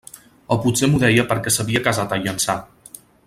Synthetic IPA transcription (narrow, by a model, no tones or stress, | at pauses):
ɔpusemuðɛjəpəɾkɛsəβiəkəzat̪əʎənsa